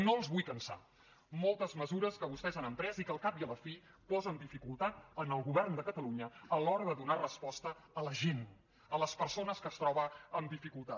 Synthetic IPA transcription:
noəlˠzβujpənsa̰ | molˠt̪əzməzuɾəskəβust̪ɛzanəmpɾɛzikəlˠkap̚iələfi | pɔzənd̪ifikulˠt̪at̪̚ənəlˠɣuβɛrnd̪əkət̪əluɲəəlɔɾəðəðunarəspɔst̪əːləʒen | ələspəɾsonəskəst̪ɾɔβəːmd̪ifikulˠt̪a

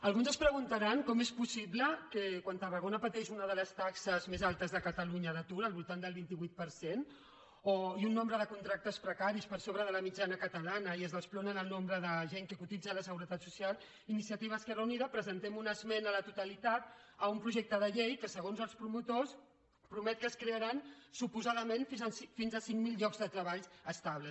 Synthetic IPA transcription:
əlˠɣunzəspɾəɣunt̪əɾaŋkɔmespusiβləkəkwant̪ərəɣonəpət̪ɛʃunəðələst̪aksəzmezalˠt̪əzðəkət̪əluɲəðət̪uɾəlβulˠt̪and̪əlˠβint̪iβuit̪̚pəɾsen | oiunːõmbɾəðəkunt̪ɾak̚t̪əspɾəkaɾispəɾsoβɾəð̞ələmid͡ʒanəkət̪əlanəiəzðəsplɔnənəlˠnombɾəðəʒeŋkəkut̪id͡zələsəɣuɾət̪at̪susialˠ | inisiət̪iβ̞əskɛrəuniðəpɾəzənt̪ɛmunəzmɛnələt̪ut̪əlit̪at̪̚əumpɾuʒɛk̚t̪əðəʎejkəsəɣonzəlˠspɾumut̪os | pɾumɛt̪̚kəskɾeəɾansupuzaðəmenfzəsfinzəsiŋmilʎɔkzðət̪ɾəβaʎəst̪aβlə

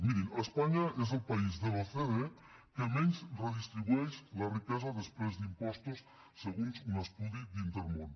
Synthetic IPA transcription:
miɾinəspaɲaezəlˠpɐizðəloθeðe | kəmɛnzrəðist̪ɾiβuɛʃlərikɛzaðəspɾezd̪impɔst̪usː | əɣunzunəst̪uðid̪int̪əɾmon

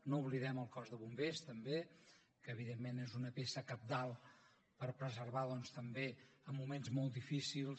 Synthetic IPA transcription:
nouβliðɛməlˠkɔzðəβumbest̪əmbe | kəːβiðemːenezunəpesəkəp̚d̪alˠ | pəɾpɾəzərβaðɔnst̪əmbeəmːumenzmolˠt̪d̪ifisilˠ

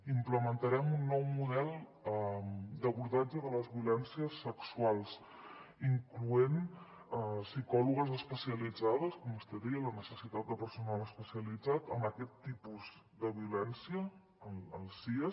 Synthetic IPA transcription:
impləmənt̪əɾɛmunːɔwmuðɛlˠmd̪əβuɾðad͡ʒəðələzβiulɛnsiəsːəksualˠs | iŋkluen | sikɔluɣəzəspəsiəlid͡zað̞əskɔmust̪ɛðɛələnəsəsit̪at̪̚d̪əpəɾsunaləspəsiəlid͡zat̪əməkɛt̪ːipuz | d̪əβiulɛnsiəː | ləlˠsiə

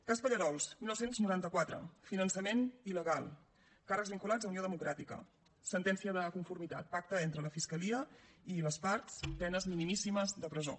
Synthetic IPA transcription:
kaspəʎəɾɔlˠsmilnɔwsenznuɾant̪əkwat̪ɾə̰finənsəmeniləɣalˠ | karəkɡzβiŋkulad͡zzəunioðəmukɾat̪ikə̰ | sənt̪ɛnsiəðəkuɱfuɾmit̪at̪̚pak̚t̪əent̪ɾələfiskəliəiləspaɾt̪spɛnəzminimisiməzd̪əpɾəzo̰

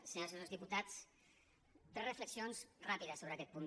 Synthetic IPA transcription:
seɲalsnolzðiput̪at͡s | t̪ɛrəfləksionsrapiðəsoβəakɛt̪pun

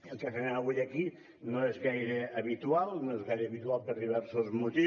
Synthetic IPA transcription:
elˠkefenaaβujɐki | noezɣajɾeːβit̪ualˠnoezɣajɾeaβit̪ualˠpeɾðiβ̞ɛɾsozmut̪i

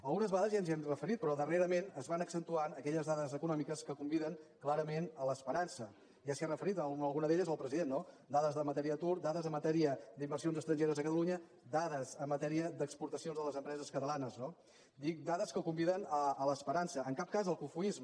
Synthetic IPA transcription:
əlˠɣunəzβaðəzjanziɛmrəfəɾit̪̚pɾɔðəreɾəmenəzβanəksənt̪uanəkɛʎəzðaðəzəkunɔmikəskəkumbiðəŋklaɾəmenələspəɾansə | ʒasiarəfəɾit̪əlˠɣunəðeʎəzəlˠpɾəziðenːod̪aðəzðəmət̪ɛɾiəət̪uɾd̪aðəzəmːət̪ɛɾiəd̪imbərsionzəst̪ɾəɲʒeɾəzəkət̪əluɲə | d̪aðəzəmːət̪ɛɾiəd̪əkspuɾt̪əsionzðələzəmpɾɛzəskət̪əlanəzno | d̪ik̚d̪aðəskəkumbiðənəələspəɾansəːŋkap̚kazəlˠkufuizmə

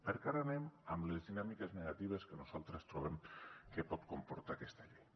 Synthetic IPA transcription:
peɾkaɾanemamlezðinamikezneɣ̞at̪iβ̞eskenuzalˠt̪ɾest̪ɾoβ̞emkepɔt̪kompoɾt̪akɛst̪aʎej

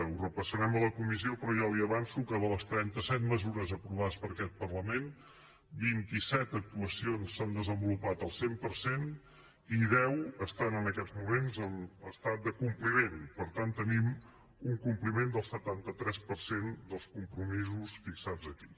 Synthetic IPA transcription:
urəpəsəɾɛmələkumisiopɾɔʒɔliəβansukəðələst̪ɾɛnt̪əsɛt̪̚məzuɾəzəpɾuβ̞aðəspəɾəkɛt̪̚pərləmen | bint̪isɛt̪ək̚t̪uəsionsːand̪əzəmbulupat̪əlˠsempəɾsen | iðɛwəst̪anənəkɛdd͡zmumenzənəst̪at̪̚d̪əkumplimenpəɾt̪ant̪ːənim | uŋkumplimend̪əlˠsət̪ant̪ət̪ɾɛspəɾsend̪əlˠskumpɾumizusfiksad͡zəki̥

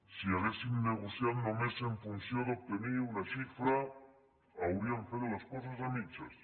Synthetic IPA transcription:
siaɣesimneɣosjaðonomeseɱfunθjod̪op̚t̪eniɾunaʃifɾa | awɾiaɱfeðolaskos̬asamit͡ʃas

